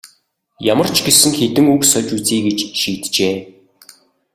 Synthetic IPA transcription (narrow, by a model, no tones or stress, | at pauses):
jamə̆r̥t͡ɕɡesɘ̆ŋxet̪ɘ̆ŋuksœt͡ɕut͡siːɡet͡ɕʃiːt̪t͡ɕeː